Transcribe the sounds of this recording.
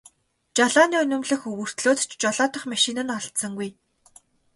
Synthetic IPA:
t͡ɕaɮaːniːɵnʲɵ̆mɮɘ̆xɵwɵ̆r̥t̪ɮoːt̪t͡ɕt͡ɕɔɮaːt̪ə̆χmaʃinə̆nɔɮt̪sə̆ŋɡuj

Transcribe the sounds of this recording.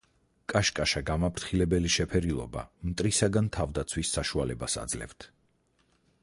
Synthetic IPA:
kʼaʃkʼaʃaɡamapʰɾt̪χilɛbɛliʃɛpʰɛɾilˠɔ̰ba̰mt̪ʼɾisaɡant̪ʰavd̪at̪sʰwisːaʃualɛbasa̰d̪zlɛ̰vt̪ʰ

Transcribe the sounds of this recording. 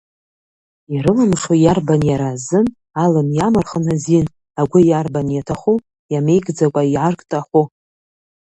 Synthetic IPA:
iɾɨlamʂajarbanjaɾazɨn | alɨmjamarχənazin | aɡʷʊjarbanjatʰaχu | jamejɡʼd͡zakʷʼaiʕarkʼtʼaχʷu

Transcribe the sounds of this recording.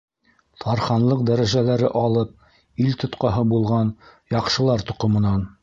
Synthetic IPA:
t̪ʰɑɾχɑnlˠɤq̚d̪æɾæʒælæɾɘʔɑlˠɤp̚ | ilt̪ŏt̪qɑɦɤbulˠʁɑnjɑqʃɤ̆lˠɑɾt̪ŏqŏmɤ̆nɑn

